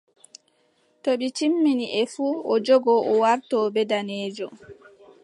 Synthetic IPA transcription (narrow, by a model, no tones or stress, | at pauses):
toɓit͡ʃimːiniʔɛfuːɔd͡ʒɔɡɔʔɔwaɾtɔːbɛdanɛːd͡ʒɔ